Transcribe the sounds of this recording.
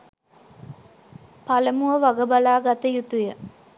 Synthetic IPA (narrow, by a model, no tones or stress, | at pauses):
paləmuʋəʋaɡəbalaːɡat̪əjut̪ujə